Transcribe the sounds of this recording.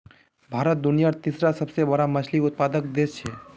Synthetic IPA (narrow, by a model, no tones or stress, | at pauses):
bʱaːɾət̪̚d̪ʊnijaɾt̪isɾasəbsebəɽamɐt͡ʃʰliʊt̪̚paːd̪ək̚d̪et͡ʃʰe